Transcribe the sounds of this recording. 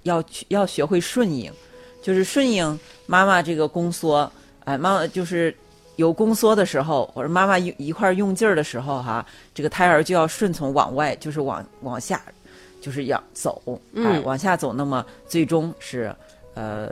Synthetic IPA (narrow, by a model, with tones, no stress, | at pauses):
jɑ˥˩ʊt͡ɕʰjɑ˥˩ʊɕɥɛ˧˥xwe˥˧ɪʂwə˥˩nḭ˥˩ŋt͡ɕjo˥˧ʊʂɻ̩˥˧ʂwə˥˩ni˥˩ŋma˥ma˨ʈ͡ʂɤ˥˩ɡə˩kʊ˥ŋswɔ˥ | a˧ma˥ma˨t͡ɕjo˥˧ʊʂɻ̩˥˩ | jo˧˥ʊkʊ˥ŋswɔ˥d̪ə˨ʂɻ̩˧˥xo˧ʊ˧˥ma˥ma˨˥˧i˧˥kʰwa˥˧jʊ˥˧ŋt͡ɕjə˥˩d̪ə˩ʂɻ̩˧˥xo˧ʊxa˥˧ʈ͡ʂɤ˥˩ɡə˩t̪ʰa˥ɪə˞˧˥t͡ɕjo˥˧ʊjɑ˥˧ʊʂwə˥˩nt͡sʰʊ˧˥ŋwɑ̰˨˩ŋwa˥˧ɪt͡ɕjo˥˧ʊʂɻ̩˥˩wɑ̰˨˩ŋwɑ̰˨˩ŋɕja̰˥˩ | t͡ɕjo˥˧ʂ̬ɻ̩˥˩jɑ̰˨˩˦ŋt͡so̰˨˩˦ʊa˥˧wʔɑ̰˨˩ŋɕ̬ja˥˩t͡so˨˩ʊna˥˩mə˨t͡swe˥˩ɪʈ͡ʂʊ˥ŋʂɻ̩˥˩ | ə̰˧